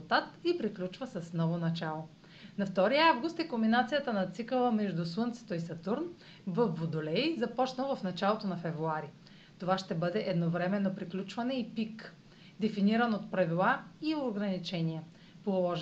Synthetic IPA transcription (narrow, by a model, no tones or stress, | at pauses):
t̪at̪ipɾiklʲut͡ʃvəsəsnɔvonɐt͡ʃalˠo | nɐft̪ɔɾijəavɡʊst̪ɛkombinat̪sijət̪ənɐt̪sikəlˠəmɛʒd̪uswənt̪sɛ̥t̪oisɐt̪uɾn | vɐfːod̪olɛjzɐpɔt͡ʃnəvɐfnɐt͡ʃalˠot̪onɐfɛvɾuaɾi | t̪ovaʃt̪ɛbɤd̪ɛʔɛd̪novɾɛmɛnːopɾiklʲut͡ʃvɐnɛipik | d̪ɛfiniɾənot̪̚pɾɐvilˠaioɡɾɐnit͡ʃɛniɛ | polˠɔʒ